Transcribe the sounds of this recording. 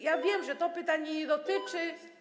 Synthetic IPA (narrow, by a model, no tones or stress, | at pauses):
javʲjɛmʐɛt̪ɔpɘt̪aɲɛɲɛd̪ɔt̪ɘt͡ʂɘ